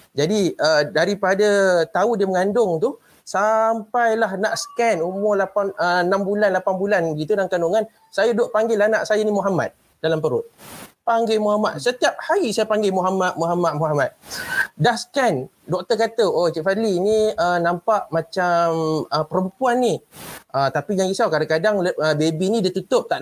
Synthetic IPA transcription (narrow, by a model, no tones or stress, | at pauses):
d͡ʒadiʔədaɾipadət̪audiəməŋandʊŋt̪u | sampajlaɦnaʔsə̥kɛnumʊlapanənambulanlapanbulanbəɡit̪̬udaŋkanduŋan | sajadoʔpaŋɡɪlahnaʔsajanimuɦama̰t̪̚ | dalampəɾʊt̪̚paŋɡemuɦamat̪̚sət̪iap̚haɣisajapaŋɡemuɦamat̪̚muɦamat̪̚muɦamat̪̚dahsə̥kɛn | dok̚t̪əkat̪əot͡ʃiʔfadliniənampaʔmat͡ʃaməpəɾəmpuanːiʔət̪apijaŋɡisawkadakadaŋləəbebinĩdət̪ut̪ʊp̚t̪aʔ